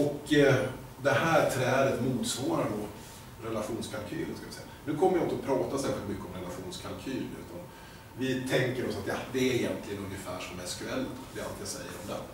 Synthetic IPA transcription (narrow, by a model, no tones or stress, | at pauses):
ɔk | d̪ɛhæːt̪ʰɾɛːɾət̪muːt̪svɑːɾand̪ɔ | ɾɛlaɧuːnskʰalkʰyːlənskaʋɪsɛjːa̰nʉ̟ːkʰɔmːəjaɔkt̪sɔpʰɾɑːt̪asɛːɾɧɪlt̪mʏkːəɔmɾɛlaɧuːnskʰalkʰyːlʉ̟ːt̪ʰan | vɪt̪ʰɛŋkəɾɔsat̪jɑd̪ɛæɾɪjɛnt̪lɪɡənɵnjəfæːʂɔmɛskɵɛlːt̪d̪ɪa̰lt̪ɪjasɛ̰jːə̰ɾɔmd̪ɛ̰